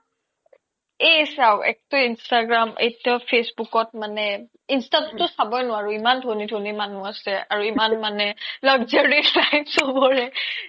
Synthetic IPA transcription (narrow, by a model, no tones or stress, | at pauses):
esawʔɛ̰k̚tʊinstaɡɹamʔḛjtɔpʰesbukɔt̚manɛ | instatɔtːʊsabɔjnʊwaɹuimandʱonidʱonimanuasɛaɹuimanmanɛlɔɡzeɹilajpsobɔɹɛ